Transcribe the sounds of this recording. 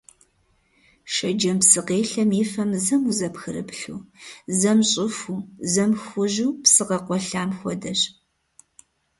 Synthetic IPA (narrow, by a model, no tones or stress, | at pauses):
ʃɐd͡ʒɐmpsɨqeːɬɐmiːfɐmzɐmuzɐpxɨɾɨpɬuːzɐmɕʼɪfuːzɐmxʷʊʒuːpsɨqɐqʷɔɬaːmxʷɔdɐɕ